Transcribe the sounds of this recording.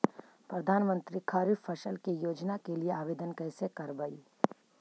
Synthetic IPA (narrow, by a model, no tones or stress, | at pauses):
pɾɐd̪ʱaːnmə̃nt̪ɾikʰaːɾifɐʃəlkijoːd͡ʒnakelieaːʋeːd̪ənkɛːsekɐɾbai